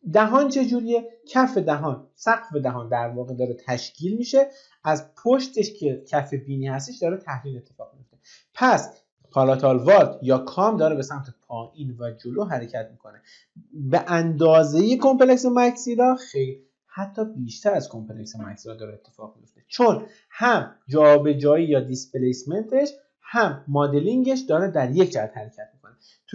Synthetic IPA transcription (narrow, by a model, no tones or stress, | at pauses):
d̪æɦɒːnt͡ʃʰe̞d͡ʒuːɾie̞cʰæfe̞d̪æɦɒːnsæɡfe̞d̪æɦɒːnd̪æɾvɒːɣe̞d̪ɒːɾet̪ʰæʃcʰiːlmiːʃe̞ | æzpʰoʃt̪ʰeʃcʰecʰæfe̞biːniːhæs̬t̪eʃd̪ɒːɾet̪ʰæhɾiːle̞t̪ʰːe̞fɒːɣmijo̞ft̪e | pʰæs | pʰɒlɑt̪ʰɑlvɒɾt̪ʰjɒːkʰɒːmd̪ɒːɾebe̞sæmt̪ʰepʰɒːʔiːnvæd͡ʒoloːɦæɾecʰæt̪miːkʰo̞ne | beʔænd̪ɒːzejekʰo̞mpeleksemæcsiːɾɒːxejl | hæt̪ʰːɒːbiːʃt̪æɾæzkʰo̞mpeleksemæ̰csiɾɒd̪ɒːɾeːt̪ʰːefɒːʁmijo̞ft̪e̞t͡ʃʰon | hæmd͡ʒɒːbe̞d͡ʒɒːjijɒːd̪ispelejsme̞nt̪ʰe̞ʃ | hæmːɒːd̪e̞liŋɟeʃ̬d̪ɒːɾed̪æɾje̞cʰd͡ʒææt̪hæɾe̞cʰæt̪mikʰo̞ne | t̪ʰ